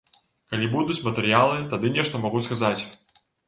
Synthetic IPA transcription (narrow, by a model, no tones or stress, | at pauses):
kalʲibud̪ut͡sʲmɐt̪ɨɾɨjalˠɨt̪ad̪ɨnʲɛʂt̪ɐmaɣuskazat͡sʲ